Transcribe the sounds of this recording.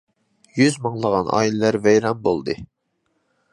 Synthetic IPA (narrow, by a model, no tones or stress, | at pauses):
jyzmɑŋlˠəʁɑnʔɑ̰ːilɪlæɾvɛjɾɑmbolˠd̪ɨ